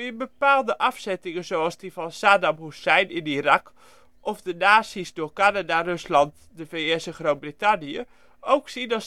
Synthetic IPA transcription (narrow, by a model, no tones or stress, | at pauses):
ɪəbəpaːlˠdəʔafsɛtɪŋəzowalˠsdifɔnsaːdamhussɛjnɪnirak | ʔɔfdənaːsisdoːkanadarøslɑnt | dəfeɪsəχroːt̚britanijə | owksinɔ